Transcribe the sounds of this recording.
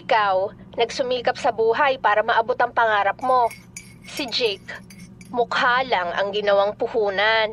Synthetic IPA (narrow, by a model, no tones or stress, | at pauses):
ʔɪkawnɐɡsʊmiːkɐp̚sɐbuːɦɐjpaːɾɐmɐʔɐbot̪ɐŋpɐŋaːɾɐp̚mo̞ | sɪd͡ʒɛk | mʊkhaːlɐŋʔɐ̰ŋɡɪnɐwaŋpʊhuːnan